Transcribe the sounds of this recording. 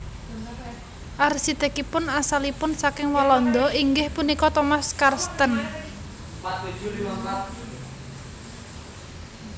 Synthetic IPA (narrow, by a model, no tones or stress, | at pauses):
ʔarsit̪ɛ̤kipʊnasalipʊnsakɪŋwalɔnd̪ɔiŋɡɪhpunikɔt̪ɔmaskarst̪ən